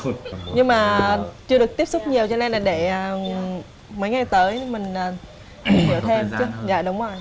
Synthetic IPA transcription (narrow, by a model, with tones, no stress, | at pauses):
ɲɨ˧ŋmaː˨˩t͡ɕɨ˧əɗɨ˨˩ək̚t̪i˦˥p̚sʊ˦˥k͡p̚ɲi˨˩əwt͡ɕɔ˧lɛ˧nlaː˨˩ɗe˧˩əː˨˩ | mə˨˦jŋa˨˩jt̪əː˨˦jmï˨˩ŋ̟ʔəː˨˩˧ | ɲɨ̰˧˩ət̪ʰe˧mt͡ɕɨ˨˦za̰ː˧˨ɗʊ˨˦wŋ͡mzə˨˩j